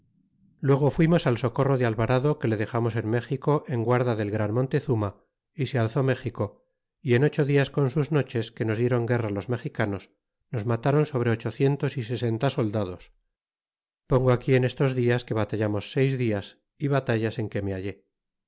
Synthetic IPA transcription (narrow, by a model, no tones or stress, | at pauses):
lwe̞ɣ̞o̞fwimo̞salso̞ko̞roðealβaɾaðo̞ke̞le̞ðe̞xamo̞se̞nme̞xiko̞ʔe̞ŋɡwaɾðaðe̞lɣɾanmo̞nt̪e̞θuma | isealθo̞me̞xiko̞ | ie̞no̞t͡ʃo̞ðiasko̞nsuzno̞t͡ʃe̞ske̞no̞zðje̞ɾo̞ŋɡe̞ralo̞zme̞xikano̞s | no̞zmat̪aɾo̞nso̞β̞ɾe̞o̞t͡ʃo̞θje̞nt̪o̞sise̞se̞nt̪aso̞ld̪að̞o̞s | po̞ŋɡoakie̞ne̞st̪o̞zðiaske̞βat̪aʝamo̞sːe̞jzðias | iβat̪aʝase̞ŋke̞me̞aʝe̞